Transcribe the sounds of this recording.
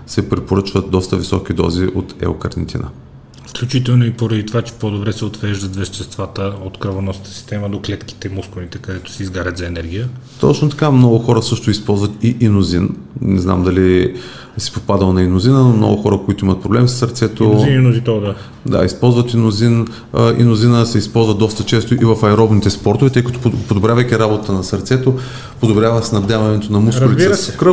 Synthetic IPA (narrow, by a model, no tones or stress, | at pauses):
sɛpɾipoɾɤt͡ʃvət̪̚d̪ɔst̪əvisɔk̟id̪ɔ̰ziʔot̪ɛ̰okɐɾd̪ɛ̰nt̪ʰʲḭnə̰ | fklʲut͡ʃit̪ɛlˠnoipoɾɐd̪it̪ovat͡ʃɛ̥pod̪obɾɛsɛot̪vɛʒd̪ət̪vɛʃt̪ɛst̪vat̪əot̪kɾɐvonɔsət̪ə̥si̥st̪ɛməd̪oklɛt̪ki̥t̪ɛmuskonit̪ɛkɐd̪ɛt̪ʊ̥sɛizɡaɾət̪zɐɛnɛɾɡ̟ʲijət̪ɔ̰t͡ʃnot̪ɐ̥kamnɔɡʊxɔɾəsɤʃt̪oispɔlˠzvət̪iʔinozin | nɛ̰zna̰md̪ɐli | si̥popad̪əlˠnɐinʊzinənmnɔ̰ɡʊxɔɾəkoit̪ʊimət̪̚pɾoblɛmsəsɐɾt̪sɛt̪ozininʊzit̪ɔd̪a | d̪a̰ispɔlˠzvɐt̪inʊzin | ḭnʊzinəsɛispɔlˠzvəd̪ɔst̪ət͡ʃɛst̪oʔivɐfɐɛɾɔbnit̪ɛspɔɾt̪ovɛt̪ɤjkɐt̪opod̪obɾʲjavɐjkiɾabot̪t̪ənɐsɐɾt̪sɛt̪o | pod̪obɾʲjavəsɛnɐd̪avɐnɛt̪onɐmuskʊlit̪iɾsɛkɾə